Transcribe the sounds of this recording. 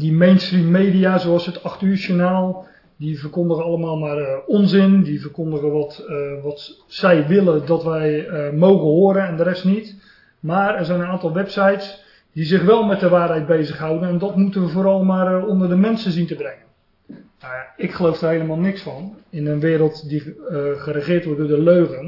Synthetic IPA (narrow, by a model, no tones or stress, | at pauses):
dimejnstrimːejdijaːzowɑlˠsətɑχtyːʃonaːlˠ | divərkondəɣəɑlˠəmaːlˠmaːrɔnzɪndivərkondəɣənʋɔtʋɑt | sɛjʋɪlədɔtʋɛjmowɣənɦoːɾənɛndərɛstnit | maːrɛrzɛjnənaːntɑlˠʋɛpsajts | d̥izɪχʋɛlˠmɛt̚dəʋaːrɦɛjt̚bejzəχɦawdənɛndɔtmutənʋəvoːɾɑlˠmaːrɔndərdəmɛnsənzintəbrɛŋən | naaɪkχəlowfdəːrɦejləmaːlˠnɪksfɑnɪnənʋɪːɾəlˠtdiχərəχɪːrtʋɔt̚dʊːdəløɥɣən